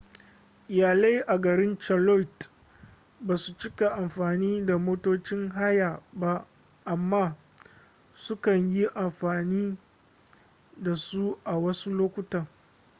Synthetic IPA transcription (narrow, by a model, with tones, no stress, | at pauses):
ʔɪ˨jaː˨la˦jʔa˨ɡɐ˨ɾɪ˦nt͡ʃɐ˨lɔ˦jt | baː˨su˨t͡ʃɪ˦ka˨ʔa˨mɸaː˨niː˦da˨moː˦toː˦t͡ʃɪ˦ŋɦa˦jaː˨ba˦ | ʔa˨mːaː˦ | sʊ˦kɐ˨ɲji˦ʔa˨mɸaː˨niː˦ | da˨su˦ʔa˨wɐ˦su˦loː˦kʷʊ˦tɐ˨ŋ